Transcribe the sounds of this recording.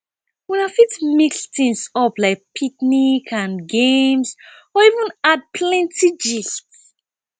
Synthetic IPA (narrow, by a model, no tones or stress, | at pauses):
wɛ̃nafitmikstĩŋsɔplaɪk̚pʰik̚nikʰãnɡẽms | ɔivə̃nad̚pʰlɛ̃ntʰid͡ʒifts